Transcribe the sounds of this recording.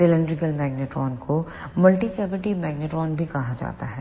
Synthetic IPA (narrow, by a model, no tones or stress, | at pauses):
ɪlə̃ɳɖɾɪɡəlmɛːɡneʈɾɔːnko | mɐlʈisɛːbɪʈimɛːɡneʈɾɔːnbʱikɐɦad͡ʒa̰ːt̪aɦɛː